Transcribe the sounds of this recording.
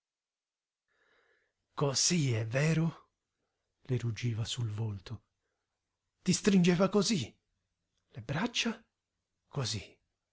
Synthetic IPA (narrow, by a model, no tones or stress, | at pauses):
koz̥iɛvɛːɾo | lerud͡ʒiːvasulvolt̪ʊ | t̪ist̪ɾind͡ʒɛːvakozi | lebɾat͡ʃːa | kozi